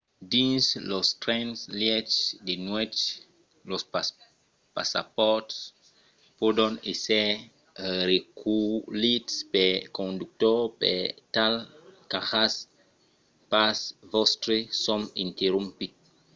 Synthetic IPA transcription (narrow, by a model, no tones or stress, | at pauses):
dĩnslɔstɾɛ̃nsljɛt͡ʃdenwɛt͡ʃ | lɔs | pa̰sa̰pɔts | pɔdɔ̃nesɛ | ɾekʰulitspɛkõnduk̚tɔpɛ̰talkahas | pasvɔstɾesɔ̃mĩnteɾũmpit̚